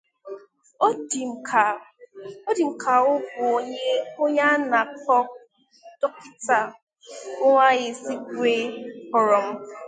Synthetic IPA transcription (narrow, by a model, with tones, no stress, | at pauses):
o˦di˨kʰa˨ | o˦di˨m̩˨kʰa˨ʊ˦ɡʊ˨o˦ɲe˦o˦ɲa˦na˨kɔ˦ | d̥ɔ˦ki˦ta˨ | o˦ŋʷa˦ɣɪ˨si˦ɡɾe˦kɔ˨ɾɔ˨m̩˦